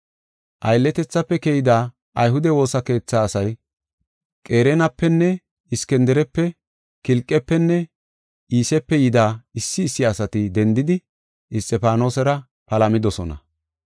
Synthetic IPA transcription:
ʔɐjlːɛt̪ɛt͡sːɐpːɛkɛjɪd̪aː | ʔɐjɦʊd̪ɛwo̞ːsɐke̞ːt͡sːaːsɐj | kʼe̞ːɾɛnɐpːɛnːɛ | ɪskɛnd̪ɛɾɛpːɛ | kɪlkʼːɛpːɛnːɛ | ʔiːsɛpːɛjɪd̪aːɪsːɪːsːɪɐsɐt̪ɪd̪ɛnd̪ɪd̪ɪ | ɪst̪ʼɛpaːno̞ːsɛɾɐ | pɐlɐmɪd̪ɔsɔnɐ̰

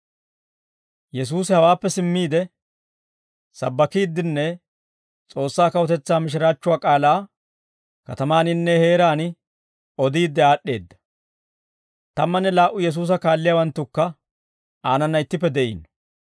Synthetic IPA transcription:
jɛs̬uːsɪhɐwaːpːɛsɪmːiːd̪ɛ | sɐ̰bːɐkiːd̪ːɪnːɛ | t͡sʼo̞ːsːaːkɐwɔt̪ɛt͡sːaːmɪʃ̬ɪɾaːt͡ʃːʊwaːkʼaːlaː | kɐ̰t̪ɐmaːnɪnːɛhe̞ːɾaːnɪ | ɔd̪iːd̪ːɛaːɗːe̞ːd̪ːɐ̥ | t̪ɐmːɐnːɛlaːʔʊjɛs̬uːs̬ɐkaːlːɪjawɐnt̪ːʊkːɐ | aːnɐnːɐɪt̪ːɪpːɛd̪ɛʔḭːn

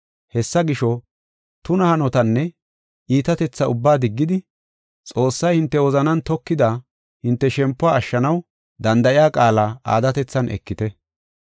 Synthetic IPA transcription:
hɛsːɐɡɪʃɔ | t̪ʊnɐhɐnɔt̪ɐnːɛ | ʔiːt̪ɐt̪ɛt͡sːɐʊbːaːd̪ɪɡːɪd̪ɪ | t͡sʼo̞ːsːɐjhɪnt̪ːɛwɔzɐnɐnt̪ɔkːɪd̪a | hɪnt̪ːɛʃɛmpːʊaːʃːɐnɐw | d̪ɐnd̪ɐʔɪjaːkʼaːlaːʔa̰ːd̪ɐt̪ɛt͡sːɐnʔɛ̰kːɪt̪ɛ

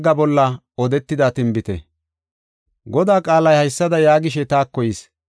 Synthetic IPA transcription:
ɡːɐbɔlːɐ | ɔd̪ɛt̪ːɪd̪aːt̪ɪmbɪt̪ɛ̰ | ɡɔd̪aːkʼaːlɐjhɐjsːɐd̪ɐjaːɡɪʃɛt̪aːkːɔjɪs

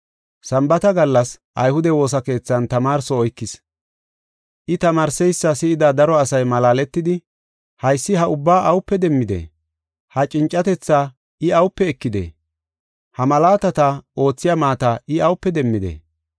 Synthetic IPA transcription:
sɐmbɐt̪ɐɡɐlːɐs | ʔɐ̰jhʊd̪ɛwo̞ːs̬ɐke̞ːt͡sːɐnt̪ɐmaːɾsɔɔjkːɪs | ʔɪt̪ɐmaːɾsɛjsːɐsɪɪd̪ad̪ɐɾɔɐsɐjmɐlaːlɛt̪ːɪd̪ɪ | hɐjsːɪɦɐʊbːaːʔɐwʊpːɛd̪ɛmːɪd̪ḛː | hɐt͡ʃʼɪnt͡ʃʼːɐt̪ɛt͡sːaː | ɪɐwʊpːɛːkːɪd̪ḛː | hɐmɐlaːt̪ɐt̪ɐo̞ːt͡sːɪjaːmaːt̪aʔɪɐwʊpːɛd̪ɛmːɪd̪ḛː

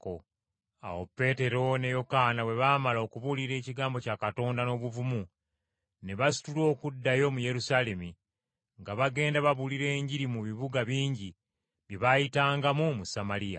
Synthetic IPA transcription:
ko | a̰wo̞̰pːe̞te̞ɾo̞ne̞jo̞kaːnawe̞βaːmalo̞kuβuliɾe̞ːciɡaːmbo̞caːkato̞ːndano̞ːβuvumu | ne̞βasi̥tulo̞ːkudːajo̞muje̞ɾusaːle̞mi | ŋɡaβaɡe̞ːndaβaβuliɾe̞ːɲɟiɾimuβiβuɡaβiːɲɟi | βjeβajitaːŋɡamumusamalija̰

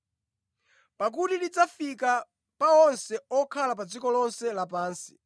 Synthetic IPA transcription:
pak̬utidid͡zafika | paɔnsɛɔkʰalap̬ad͡zikɔlɔnsɛlap̬aːnsi̥

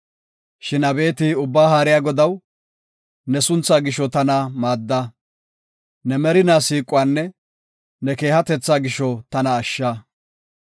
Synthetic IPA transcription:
ʃɪnɐbe̞ːt̪ɪʊbːaːɦaːɾɪjaːɡɔd̪ɐw | nɛsʊnt͡saːɡɪʃɔt̪ɐnɐmaːd̪ːɐ | nɛmɛɾɪnaːsiːkʼːʊwaːnːɛ | nɛke̞ːhɐt̪ɛt͡sːaːɡɪʃɔt̪ɐnɐːʃːaː

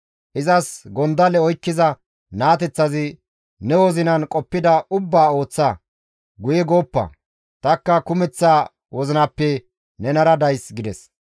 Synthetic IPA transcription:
ʔɪzɐsɡɔnd̪ɐlɛɔjkːɪzɐ | naːt̪ɛt͡sːɐzɪ | nɛwɔzɪnɐnkʼɔpːɪd̪ɐʊbːaːo̞ːt͡sːɐ | ɡʊjɛɡo̞ːpːɐ̰ | t̪ɐkːɐkʊmɛt͡sːaː | wɔzɪnɐpːɛ | nɛnɐɾɐd̪ɐjsɡɪd̪ɛs

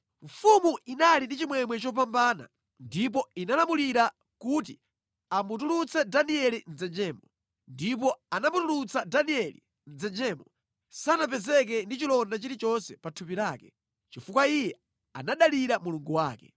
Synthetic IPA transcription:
ɱfumuʔinalindit͡ʃimwɛmwɛt͡ʃɔp̬ambaːna̰ | ndip̬ɔinalamuliɾa | kut̬i | amut̬ulut͡sɛdaniɛlind͡zɛd͡ʒɛːmɔ | ndip̬ɔanamutulut͡sadaniɛlḭ | nd͡zɛnd͡ʒɛːmɔ | sanap̬ɛzɛk̬ɛndit͡ʃilɔndat͡ʃiɾit͡ʃɔnsɛpatʰupiɾaːkɛ | t͡ʃifukwaijɛ | a̰naɗaliɾamuluŋɡuwa̰ːkɛ̰

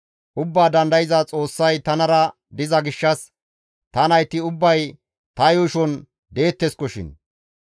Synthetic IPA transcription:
ʔʊbːaːd̪ɐnd̪ɐjɪzat͡sʼo̞ːsːɐjt̪ɐnɐɾɐ | d̪ɪzɐɡɪʃːɐs | t̪ɐnɐjt̪ːɪʊbːɐj | t̪ɐjʊʃɔn | d̪e̞ːt̪ːɛskɔʃɪ̰n

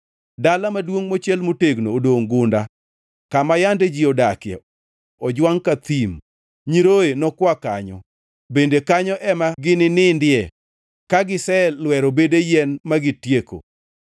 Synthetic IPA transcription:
dalamadwoŋmot͡ʃjɛlmoteɡnoːdoŋɡʊnda | kamajanded͡ʒiodakjɛ̰ | ɔd͡ʒwaŋkat̪im | ɲiɾoenɔkwakaɲɔ̰ | bendekaɲɔʔɛmaɡɪnɪnɪndɪɛ | kaɡɪsɛlwɛɾobedejɛnmaɡɪtjeko̰

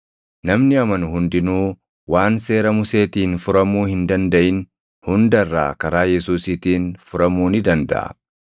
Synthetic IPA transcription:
nɐmnɪɐmɐnʊɦʊnd̪ɪnuː | waːnse̞ːɾɐmʊse̞ːt̪iːnfʊɾɐmuːhɪnd̪ɐnd̪ɐʔɪn | hʊnd̪ɐrːa̰ːkɐɾaːjɛsuːsɪt̪iːnfʊɾɐmuːnɪd̪ɐnd̪ɐ̰ʔɐ̰

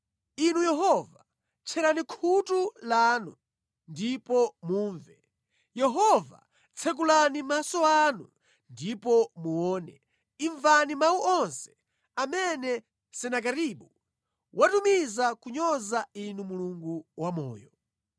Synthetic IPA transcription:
inujɛɦɔva | t͡ʃʰɛɾanikʰutulanu | ndipɔmuːɱvɛ | jɛɦɔva̰ | t͡sʰɛk̬ulanimasɔanu | ndipɔmuɔːnɛ̰ | iɱvanimawuʔɔnsɛ̥ | amɛnɛ | sɛnakaɾiɓu | wʔatumizakuɲɔzainumuluŋɡuwamɔ̰ːjɔ

